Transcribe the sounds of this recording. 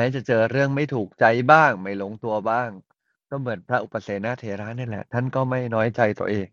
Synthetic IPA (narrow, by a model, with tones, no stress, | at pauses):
mɛː˦˥t͡ɕa˨˩t͡ɕɤː˧ɾɯ˥˩əŋma˥˩jt̪ʰuː˨˩k̚t͡ɕa˧jbaː˥˩ŋma˥˩jlo˧˥ŋt̪u˧ɐbaː˥˩ŋ | kɔː˥˩mɯ˩˦ənpʰɾa˦˥ʔu˨˩pːa˧˩seː˨˩t̪̚naː˥˩t̪ʰeː˨˧˦ɾaː˦˥nːiː˥˩lɛ̰˨˩t̪ʰa˥˩nkɔː˥˩ma˥˩jnɔː˦˥jt͡ɕa˧jt̪u˧əʔeː˧ŋ